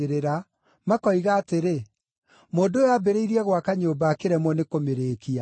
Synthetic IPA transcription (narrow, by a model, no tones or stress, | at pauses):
eɾeɾa | makɔiɣaːteɾe | moːndojabɛɾeiɾiɛɣwakaɲoːbaːkeɾɛmwɔnekomeɾeːkia